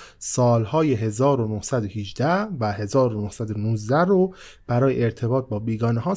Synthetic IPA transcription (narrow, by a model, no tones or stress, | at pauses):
sɒːlhɒːje̞ɦe̞zɒːɾonohsæd̪ohid͡ʒd̪ævæhe̞zɒːɾo̞nohsæd̪onuːzd̪æɾo | b̥æɾɒːjeʔeɾt̪ʰe̞bɒːt̪̚bɒːbiːɡɒːneɦɒː